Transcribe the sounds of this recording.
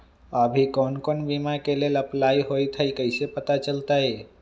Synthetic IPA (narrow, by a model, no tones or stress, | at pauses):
abʱikɔːnkɔːnbiːmakelelɐplaːiɦoːit̪ʰəikəɪsepət̪at͡ʃəlt̪aɦɛː